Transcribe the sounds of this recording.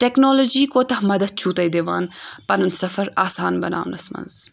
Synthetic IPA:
ʈeknoːloːd͡ʒiːkoːt̪ɐhmɐd̪ɐd̪̚t͡ʃʰuːt̪ɐjd̪eʋa̰ːnpɐnɐnt̪sɐfɐɾaːsaːnbɐna̰ːʋnɐsmɐ̰nz̥

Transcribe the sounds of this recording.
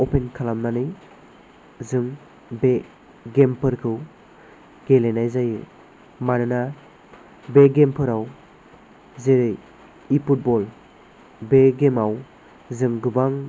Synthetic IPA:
ɔpʰenkʰalamnanɯj | zɯŋ | be | ɡempʰɯɾkʰɯw | ɡ̥elenajzajɯ | manɯna | beɡempʰɯɾaw | zeɾɯj | ipʰut̚bɔl | beɡemaw | zɯŋɡɯbaŋ

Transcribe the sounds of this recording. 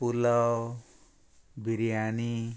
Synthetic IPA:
pulʌ | bʱiɾijani

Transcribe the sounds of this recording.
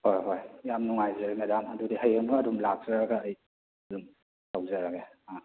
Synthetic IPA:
hojɦojjamnuŋajzeɾmedamɐdudiɦəjəmɡɐːdumlak̚z̥ɐɾaɡɐːj | ɐdum | tʰawzɐɾaɡe | a

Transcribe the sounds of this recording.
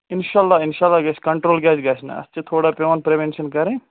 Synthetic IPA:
ɪnʃaːlːaːɪnʃaːlːaːɡɐt͡ʃʰkɐɳʈɾoːlɡɛːd͡ʒɡɐt͡ʃʰnɐ̰ɐ̰st͡ʃet̪ʰoːɽapeʋaːnpɾeʋenʃɐnkɐɾẽ

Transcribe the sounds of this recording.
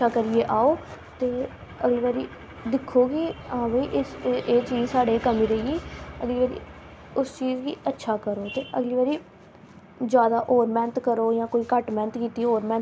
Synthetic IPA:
aːkəɾieːʔaːoː | t̪eː | əɡliːʋaːɾiː | d̪ɪkʰːoːɡiːãːbəiːʔɪseːt͡ʃiːzsaːɽeːkəmĩːɾəiːeːəɡliːʋaːɾḭː | ʊst͡ʃiːzɡiːətːʃʰaːkəɾoːt̪eːʔəɡliːʋaːɾiː | d͡ʒjaːd̪aːʔoːɾmɛ̃ːnət̪kəɾoːjãːkoːiːkəʈmɛ̃ːnət̪kiːt̪iːoːɾmɛ̃ːn

